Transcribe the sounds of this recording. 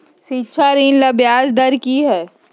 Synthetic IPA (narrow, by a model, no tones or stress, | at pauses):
siːtːʃʰaɾiːnlɐbjaːsd̪ɐɾkiɦɛː